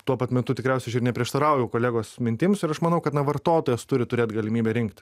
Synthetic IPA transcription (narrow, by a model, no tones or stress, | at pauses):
t̪uɔpɐt̪mʲɛt̪ʊt̪ʲɪkɾʲɛˑʊsʲɛɪɐʃɪrnʲɛpʲɾʲiɛʃt̪ɐɾɐˑʊjɛʊkoːlʲæːɡoːsmʲɪnʲt̪ʲɪmsɪɾɐʃmɐnɐʊkɐt̪nɐʋɐrt̪oːt̪oːjɛst̪ʊɾʲɪt̪ʊɾʲeːt̪ɡɐlʲɪmʲiːbʲɛɾʲɪŋkt̪ʲ